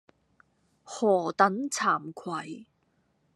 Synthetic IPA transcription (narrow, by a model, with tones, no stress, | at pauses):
hɔː˨˩t̪ɐ˨˥nt͡sʰaː˨˩mkʰwɐ˨˩j